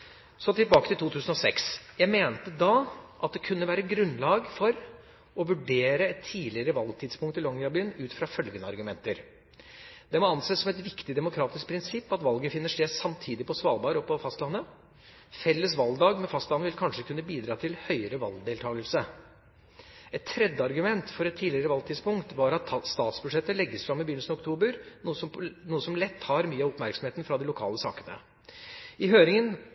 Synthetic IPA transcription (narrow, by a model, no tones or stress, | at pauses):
sɔt̪ʰɪlbɑːkət̪ɪlt̪uːt̪ʰʉːsən̩ɔsɛksjæɪmeːnt̪əd̪ɑʔɑt̪̚d̪ɛkʰʉnːəʋæːɾəɡɾʉnːlɑːɡfɔɾ | ɔʋʉɖeːɾəɛt̪ʰːiːlɪəɾəʋɑlɡt̪ʰɪd̪spʰʊŋkt̪ɪlɔŋɑbyːnʉːt̪fɾɑfœlɡənəɑ̰ɾɡʉmɛnt̪əɾ | d̪̥ɛmɔɑnseːsɔmɛt̪ʋɪkt̪ɪd̪ɛmʊkʰɾɑːt̪ɪsk̚pʰɾɪnsɪpːɑt̪ʋɑlɡəfɪnːəʂʈ̪eːsɑmt̪ʰiːd̪ɪpʰɔsʋɑːlbɑːɾɔpɔfɑst̪lɑnːə | fɛlːəsʋɑld̪ɑːɡmɛnfɑst̪lɑnːəʋɪlkʰɑnʂəkʰʉnːəbiːd̪ɾɑːt̪ʰɪlhœʏəɾəʋɑ̰ld̪eːlt̪ʰɑːɡəlsə | ɛt̪ʰːɾɛd̪ːəɑɾɡʉmɛnt̪fɔɾɛt̪ʰːiːdlɪəɾəʋɑlt̪ʰɪːd̪spʊŋkt̪ʋɑɾɑt̪st̪ɑːt̪sbʉʂɛt̪ːəlɛɡːəsfɾɑmːɪbəjʏn̩sn̩ɔkt̪ʰuːbəɾnuːəsɔmnuːəsɔmlɛt̪ːhɑɾmyːəɑɔpmæɾksɔmeːt̪ən̩fɾɑd̪ɛlʊkʰɑ̰ːləsɑ̰ːkənə̰ | ɪɦøːɾɪŋən